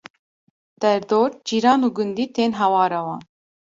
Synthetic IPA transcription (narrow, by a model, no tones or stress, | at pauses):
d̪̥ɛɾd̪oːɾd͡ʒiːɾɑːnuːɡund̪iːt̪eːnɦɛwɑːɾɛwɑːn